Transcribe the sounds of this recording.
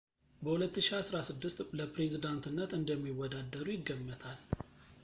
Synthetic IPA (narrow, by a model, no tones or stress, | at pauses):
bəhulət̪ːɨʃiasɾasɨd̪ːɨst̪ləpɾe̞zid̪ant̪ɨnːət̪ɨnd̪əmːiwɔd̪ad̪əɾujɪɡːəmːət̪ʰal